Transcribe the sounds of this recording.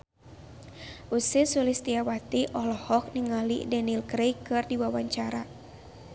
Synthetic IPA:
ʔusisulist̪iawat̪iʔɔhlɔhɔk̚niŋalḭdɛnilkɾejkɨrdiwawaɲt͡ʃaɾa

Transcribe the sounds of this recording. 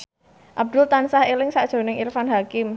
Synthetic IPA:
ʔab̚d̪̥ʊlt̪ansahelɪŋsad̥ʒ̥o̤nɪŋirfanɦakɪm

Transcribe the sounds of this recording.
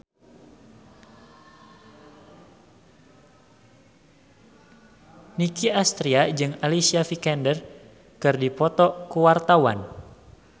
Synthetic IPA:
nikiast̪ɾiad͡ʒɨŋalisiafikɛndər | kɨrdipɔt̪ɔkuwart̪awa̰n

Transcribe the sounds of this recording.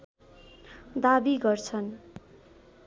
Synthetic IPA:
d̪abiɡʌrt͡sʰʌn

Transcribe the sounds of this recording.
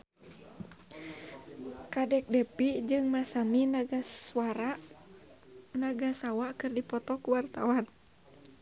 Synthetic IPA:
kadɛk̚dɛpid͡ʒɨŋmasaminaɡasuaɾa | naɡasawakɨrdipɔt̪ɔkuwart̪awan

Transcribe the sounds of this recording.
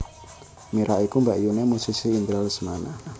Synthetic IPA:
miɾaʔikumbaʔjunemusisiːnt̪ɾalsmana

